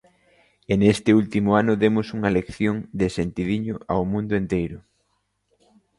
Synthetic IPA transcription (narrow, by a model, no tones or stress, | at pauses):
enest̪ɪult̪imʊanʊðemʊsuŋɐlekθjoŋd̪esent̪iðiɲʊʔawmũnd̪ʊent̪ejɾʊ